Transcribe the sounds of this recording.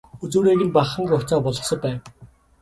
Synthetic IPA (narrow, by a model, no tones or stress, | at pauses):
ut͡suːɾeːɣiːmpaχə̆ŋɡʊt͡saːpɔɮɞ̆χsɞ̆pæːw